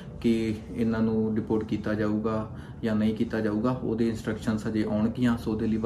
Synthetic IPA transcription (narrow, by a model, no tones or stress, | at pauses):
kɪ | ɪnãːnũːɖɪpoːʈkiːt̪aːd͡ʒaːuːɡaː | jãːnəĩːkiːt̪aːd͡ʒaːuːɡaːo̰ːd̪eːɪnsʈɾəkʃənsəd͡ʒeːʔaːʊɳɡɪjãːsoːd̪eːliːʋ